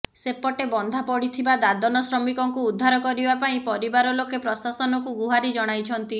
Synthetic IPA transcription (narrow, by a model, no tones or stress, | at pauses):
sepɔʈebɔnd̪ʱapɔɽit̪ʰibad̪ad̪ɔnɔsɾɔmikɔŋkuːd̪ʱːaɾɔkɔɾibapaĩpɔɾibaɾɔlokepɾɔsasɔnɔkuɡuɦaɾid͡ʒɔɽ̃ajt͡ʃʰɔnt̪i